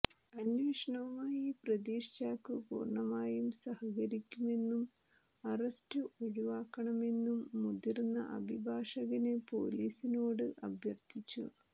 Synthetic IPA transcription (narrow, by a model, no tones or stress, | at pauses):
ɐnʋiːʂɐɳɐʋumaːjiprɐd̪iːʂt͡ɕaːkːɨpṵːrɳɐmaːjumsɐhɐɣɐɾikʲːume̞nːum | ɐrɐstɨʔoɻuʋaːkːɐɳɐme̞nːumːud̪irnːɐ̰ʔɐ̰bʱibʱaːʂɐɣɐnepo̞̰ːliːsinoːɽɨʔɐbʱjɐrt̪ʰit͡ɕːṵ